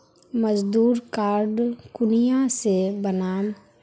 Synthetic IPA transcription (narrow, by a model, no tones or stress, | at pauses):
məd͡ʒd̪uːɾkaːɾɖkʊnijãsebənaːm